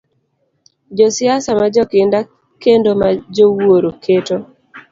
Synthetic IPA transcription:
d͡ʒɔsɪasamad͡ʒɔkɪnda | kendomad͡ʒowoɾokʰeto

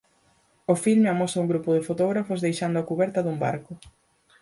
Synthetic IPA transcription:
ofilmeɐmɔsɐuŋɡɾupʊðɪfot̪ɔɣ̞ɾafʊzðejʃand̪ʊakuβɛɾt̪ɐðumba̰ɾkʊ

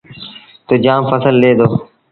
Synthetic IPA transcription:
t̪oːd͡ʒãːmfəsəlɗeːd̪oː

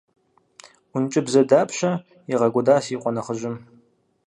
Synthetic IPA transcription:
ʊnt͡ʃʼɪbzɐdaːpʰɕɐ | iʁɐɡʷʊdaːsiːqʷʼɔnɐχəʒɪm

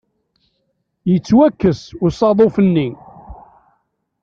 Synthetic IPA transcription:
jət͡sːwækːəsʊɾsˤɑðˤofənːi

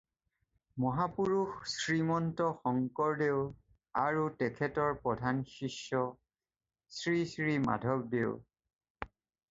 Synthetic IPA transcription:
mɔɦapuɹuxsɹimɔntɔxɔŋkɔɹdeʊ | aɹutɛkʰɛtɔɹpɹɔdʱanʃiʃːɔ | sɹisɹima̰dʱɔb̚deʊ

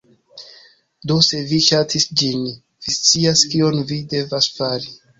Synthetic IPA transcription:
do̞se̞viʃatʰisd͡ʒin | v̥ist͡siaskio̞nvide̞vasfaɾi

